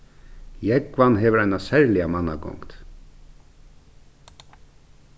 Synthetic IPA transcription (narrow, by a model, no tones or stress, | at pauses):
jɛɡvanɦɛːʋəɾajnasɛɹlɪamanːaɡɔ̰ŋt̪